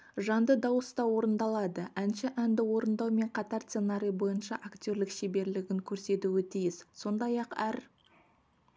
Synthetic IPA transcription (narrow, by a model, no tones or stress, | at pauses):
ʒɑnd̪əd̪ɑwəst̪ɑwo̞ɾənd̪ɑlˠɑd̪əʔænʃɪʔænd̪ɪwo̞ɾənd̪ɑwme̞ɴqʰɑt̪ɑɾst̪senaɾʲijbo̞jənʃɑʔakt̪ʲo̞ɾlɪkʃebe̞ɾlɪɡʲɪŋkʲʰɵɾse̞t̪uɪt̪ʰijɪsso̞nd̪ɑjɑqæɾ